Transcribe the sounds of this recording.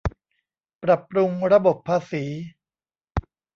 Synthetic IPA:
pɾa˨˩pɾu˧ŋɾa˧bo˨˩pʰːaː˧siː˩˦

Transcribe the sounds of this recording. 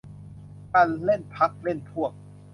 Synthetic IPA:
ka˧nle˥˩npʰa˦˥k̚le˥˩nt̪ʰu˥˩ək̚

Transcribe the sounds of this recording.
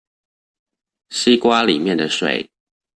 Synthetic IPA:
si˦kwa˦lḭ˨˩mjɛ˥˨nd̪ə˨ʂwḛ˨˩˦ɪ

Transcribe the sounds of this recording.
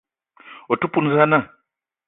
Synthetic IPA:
o˨tu˦pu˦n̩˦za˦na˦˨

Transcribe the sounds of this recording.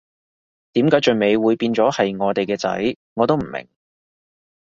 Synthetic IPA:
t̪iː˨˥mkaː˨˥jt͡ʃɵ˨ɥme˨˧jwuː˨˧jpiː˧nt͡sɔː˨˥hɐ˨jŋɔː˨˧t̪e˨jkɛː˧t͡sɐ̰˨˥j | ŋɔː˨˧t̪wm̩˨˩mɪ̰˨˩ŋ

